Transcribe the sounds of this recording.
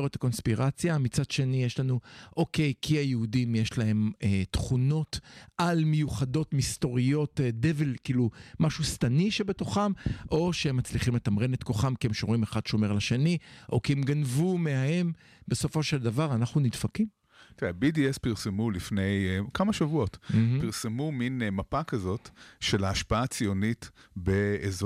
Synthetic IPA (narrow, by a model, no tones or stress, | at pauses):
ʁet̪ḁko̞nspiʁat͡sjamit͡sad̪ʃe̞nijeʃlanuʔo̞kejkʰiajeudimje̞ʃlaɦe̞met̪χuno̞tʔalmejuχado̞tmist̪o̞ʁijo̞t̪d̪evelkiːlumaʃust̪aniʃebe̞toχamʔo̞ʃehemːat͡sliχimlet̪amʁenet̪ko̞χamkiemʃomʁimeχad̪ʃomeʁlaʃeniʔo̞kiemɡanvumeahe̞m | be̞so̞fo̞ʃeld̪avaʁanaχnunidfakim | t̪iebidiespiʁsemulifne̞jkamaʃavuo̞t̪̩piʁsemuminmapakazo̞t̪ʃelaːʃpaat͡sijonit̪beez